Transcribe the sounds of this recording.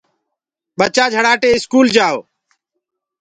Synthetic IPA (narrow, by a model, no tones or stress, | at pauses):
ɓət͡ʃaːd͡ʒʱəɽaːʈeːɪskuːld͡ʒaːoː